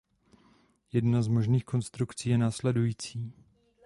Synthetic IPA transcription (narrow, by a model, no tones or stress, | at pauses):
jɛdnazmo̞ʒniːxko̞nst̪ɾukt͡siːjɛnaːslɛdujiːt͡siː